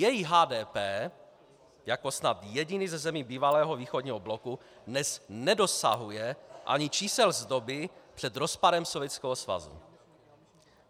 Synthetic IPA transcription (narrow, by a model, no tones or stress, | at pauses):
jɛjiɦaːdɛːpɛː | jako̞snat̪jɛɟɪnizɛzɛmiːbiːvalɛːɦo̞viːxodɲiːɦoblo̞ku | dnɛsnɛdo̞sa̰ɦujɛʔa̰ɲɪt͡ʃiːsɛlzdo̞bɪpr̥ɛd̪ɾo̞spaɾɛmsovjɛt͡skɛɦosva̰zṵ